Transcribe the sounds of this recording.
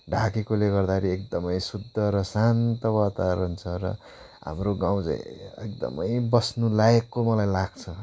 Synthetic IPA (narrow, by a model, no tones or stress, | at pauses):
ɖʱakekoleɡʌrd̪aɾiek̚d̪ʌmʌjsud̪ʱːʌɾʌsant̪ʌbat̪aɾunt͡sʰʌɾʌ̰ | ɦa̰mroɡãw̃d͡zã̰j̃ḛk̚d̪ʌ̰mʌjbʌsnulajʌkːomʌlajlaɡ̚t͡sʰʌ